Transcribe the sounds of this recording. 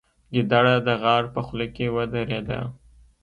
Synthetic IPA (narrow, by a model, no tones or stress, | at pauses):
ɡid̪aɽad̪əɣɑːɾpəxlekewəd̪aɾed̪a̰